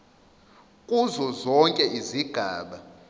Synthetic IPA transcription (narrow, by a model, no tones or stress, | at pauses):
kʼuzɔzɔŋkʼɛiziɡ̥ʱaːɓa